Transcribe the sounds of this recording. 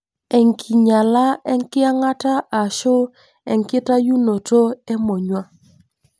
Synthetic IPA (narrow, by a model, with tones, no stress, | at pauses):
ɛ˨ŋkʰi˨ɲa˨la˦ɛ˦ŋ˦kɪ˦a˦ŋa˦ta˦ʔa˨ʃʊ˦ | ɛ̰˨ŋ˨kɪ˦ta˦ju˦no˨to˦ɛ˦mo˨ɲwa˦